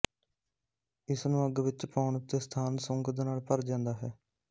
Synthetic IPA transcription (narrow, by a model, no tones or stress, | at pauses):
ɪsnũːəɡʋɪt͡ʃpaːʊɳt̪eːst̪ʰaːnsʊŋkd̪eːnaːlpəɾd͡ʒãːnd̪aːɦɛː